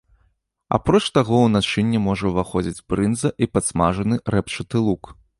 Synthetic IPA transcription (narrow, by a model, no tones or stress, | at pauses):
a̰pɾɔt͡ʂt̪aɣɔwnat͡ʂɨnʲːɛmɔʐɐwvaxɔd͡zʲid͡zʲbɾɨnzɐʔipɐt̪smaʐɐnɨɾɛpt͡ʂɨt̪ɨlˠuk